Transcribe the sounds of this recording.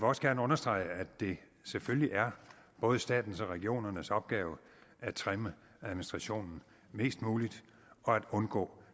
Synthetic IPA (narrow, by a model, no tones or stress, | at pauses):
ʋeɒ̽sɡ̥æɐnəɔ̽nɐsd̥ʁɑ̈ɪ̰əæd̥e̝ | sefølliʔæɐ | b̥ɔ̽ːð̞ˠəsd̥ɛ̰ːd̥n̩sɒ̽ʁɛɡ̥io̝̰ːnɐnəsɒ̽b̥̚ɡ̥ɛːʊ | æ̥t͡sʰʁɛmə | æðˠminisd̥ʁɑ̈ɕo̝̰ːnn̩ | me̝̰ːsd̥muːlid̥ | ɒ̽æd̥ɔ̽nɡ̥ɔ̰̽ː